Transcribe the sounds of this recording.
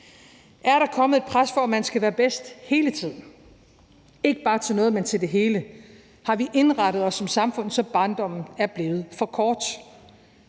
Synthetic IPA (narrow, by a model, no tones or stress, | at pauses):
ʔæɐɾɑ̈kʰɒ̽məð̩ˠe̝d̥̚pʰʁasfɒ̽æmænsɡ̥æʋæːɐb̥esd̥he̝ːlət͡sʰið̞̰ˠn̩ | e̝ɡ̥əb̥ɑ̈ːt͡sʰe̝lnɔ̽ːð̞̩ˠment͡sʰe̝ld̥e̝ɦe̝ːlə | hɑ̈ʋiʔe̝nʁɑɾ̥əð̞̩ˠɒ̽sːɒ̽msɑ̈mfɔ̽n̰ð̩ˠsɒ̽b̥ɑ̈ːnd̥ɒ̽m̰n̩æɐb̥le̝ːʊð̞̩ˠfɒ̽kʰɒːd̥